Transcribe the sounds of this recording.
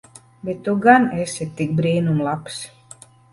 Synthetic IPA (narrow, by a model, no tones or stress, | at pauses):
bet̪ːuɡanesʲit̪ːik̚bɾiːnumlˠaps